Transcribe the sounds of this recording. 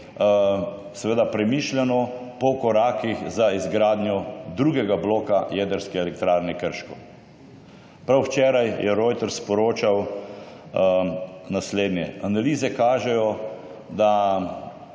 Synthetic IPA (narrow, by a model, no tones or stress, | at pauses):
sɛʋeːd̪apɾɛmiʃlʲɛnɔpɔkɔɾaːkixzaizɡɾaːd̪nʲjɔd̪ɾuɡɛɡabloːkajɛːd̪əɾskɛɛlɛk̚t̪ɾaːɾnɛkəɾʃkɔ | pɾawwt͡ʃɛːɾajjɛɾɔjt̪ɛɾspɔɾoːt͡ʃaw | nasleːd̪njɛanaliːzɛkaːʒɛjɔ | d̪a